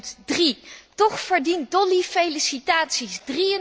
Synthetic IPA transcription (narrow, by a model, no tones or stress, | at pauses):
tdritɔχfəɹdintdɔlifejlisitaːtsisdriən